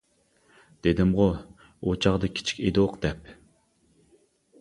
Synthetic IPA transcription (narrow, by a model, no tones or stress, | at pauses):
d̪̥ed̪ɪmʁo | ot͡ʃʰɑʁd̪ɨkʲʰi̥t͡ʃʰi̥kʲed̪ɨoqd̪̥ɛp̚